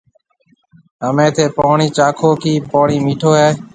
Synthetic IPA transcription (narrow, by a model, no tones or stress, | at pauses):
ɦəmẽːt̪ʰeːpaːɳiːt͡ʃaːkʰoːkiːpaːɳiːmiːʈʰoːɦeː